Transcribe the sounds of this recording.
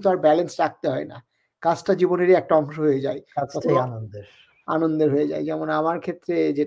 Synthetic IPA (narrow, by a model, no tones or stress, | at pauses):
t̪oaɾbɛlensɾak̚t̪eɦɔena̰ | kat͡ɕʈad͡ʑiboneɾiɛk̚ʈaɔŋʃoɦojed͡ʑaeaɔt̪ʰeanond̪eɾ | anond̪eɾɦoed͡ʑa̰ed͡ʑɛmonamaɾkʰet̪ːɾed͡ʑe